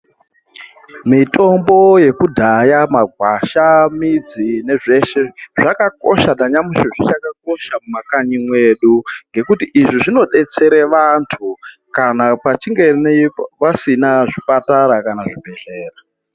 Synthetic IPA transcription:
mito̞mbo̞je̞kudʱajamaɡʱwaʃamid͡zine̞ʐe̞ʃe̞ʐakako̞̰ʃataɲamiʃiʐit͡ʃakak̚o̞ʃamumakaɲimwe̞ɗuŋɡe̞kutiʔiʐiʐino̞ɗe̞t͡se̞ɾeʋantʰu | kanapat͡ʃiŋɡe̞npasinaʐipataɾakanaʐibʱe̞ɬe̞ːra

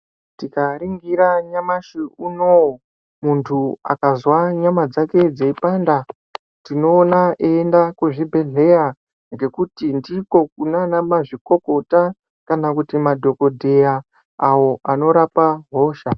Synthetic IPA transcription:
tikaɾiŋɡiɾaɲamaʃiunowo | muntʰua̰kazwaɲamad͡zake̞d͡zeipanda | tino̞ːnaʔeendakuʐibʱe̞ɮe̞ja | ŋɡe̞kutindiko̞kunanamaʐiko̞ko̞ta | kanakutimadʱo̞ko̞dʱe̞jaː | wo̞ʔano̞ɾapaɦo̞ːʃa

